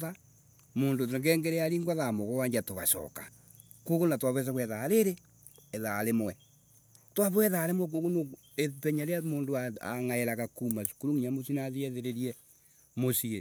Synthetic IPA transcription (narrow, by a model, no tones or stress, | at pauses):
a | moːndoteŋɡɛːŋɡeɾeaɾiŋɡwaðamoɣowaɲd͡ʒatoβaʃɔ̰ːka | kokonatwaβwɛs̬aɣwɛðaɾeɾe | ɛðaɾemwɛ | twaβwɛðaːɾemwɛk̬oɣono | epɛɲaɾeamoːndoaa̰ŋaeɾaɣakumasu̥kuɾuŋiɲamosinaðiɛðeɾeɾiɛ | mosie